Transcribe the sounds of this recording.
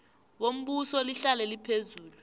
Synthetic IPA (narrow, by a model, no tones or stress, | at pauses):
wom̩ɓusɔliɬalɛlipʰezuːlu